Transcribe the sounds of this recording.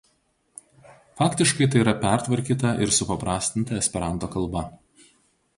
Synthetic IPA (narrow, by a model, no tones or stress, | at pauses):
fɑːkt̪ʲɪʃkɐɪt̪ɐɪiɾɐpʲæˑɾt̪ʋɐɾʲkʲiːt̪ɐʔɪɾsʊpɐpɾɑːsʲt̪ʲɪnt̪ɐɛsʲpʲɛɾɑnt̪oːkɐlˠbɐ